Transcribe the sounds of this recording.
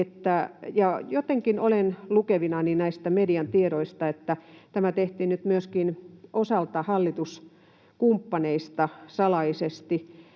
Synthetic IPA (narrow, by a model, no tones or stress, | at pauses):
et̪ːæjɑjot̪eŋkinolenlukeʋinɑninæist̪æmediɑnt̪ieɾoist̪ɑet̪ːæt̪æmæt̪eht̪iːnnyt̪myøskinʔosɑlt̪ɑhɑlːit̪us | kumpːɑneist̪ɑsɑlɑisest̪i